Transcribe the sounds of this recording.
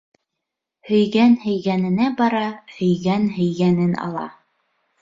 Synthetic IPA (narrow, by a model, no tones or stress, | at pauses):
hɵ̆jɡænhɵ̆jɣænɘ̆næbɑɾɑhɵ̆jɡænɦɵ̆jɡænɘnɑ̰lˠɑ̰